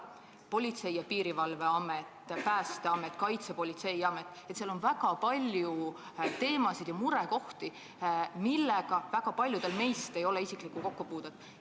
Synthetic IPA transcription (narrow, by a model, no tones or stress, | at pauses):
po̞lʲit̪se̞jjɑpiːɾivɑlve̞ɑmet̪ːˑpæːst̪eɑmet̪ːˑkɑjt̪sepo̞lʲit̪se̞jɑme̞t̪ːˑet̪seɑlo̞nvæɡɑpɑlʲju | t̪e̞ːmɑsid̪̥jɑmuɾe̞ko̞ht̪i | milːeɡ̥ɑvæɡ̥ɑpɑlʲjud̪e̞lme̞jst̪e̞jo̞leisiklikuko̞kːupuːd̪ed̪̥